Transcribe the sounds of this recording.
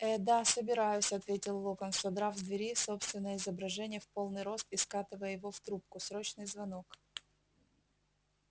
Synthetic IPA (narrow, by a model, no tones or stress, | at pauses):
ɛd̪asəbʲɪɾajʊsʲɐt̪vʲetʲɪlˠːokənsɐd̪ɾavzd̪vʲɪɾʲiso̞pst̪vʲɪnːəjəɪzəbɾɐʐɛnʲɪjəfpo̞lˠnɨjɾo̞st̪ɪskat̪ɨvəjəjɪvo̞ft̪ɾup̚kʊsɾo̞t͡ɕnɨjzvɐno̞k